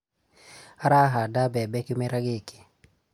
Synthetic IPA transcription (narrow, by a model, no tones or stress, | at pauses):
aɾaɦadabɛbɛkimɛɾaɡeki̥